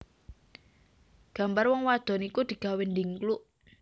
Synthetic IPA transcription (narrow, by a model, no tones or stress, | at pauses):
ɡ̥a̤mbarwɔŋwad̪̥ɔ̤nikud̪̥i̤ɡ̥a̤wend̪iŋkluʔ